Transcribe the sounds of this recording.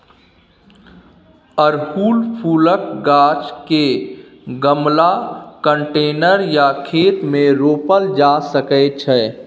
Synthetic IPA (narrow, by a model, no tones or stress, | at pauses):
əɾhuːlpʰuːlək̚ɡaːt͡ʃke | ɡəmlakəɳʈeːnəɾjakʰeːt̪mẽɾoːpəld͡ʒasəkɛt͡ʃʰɛː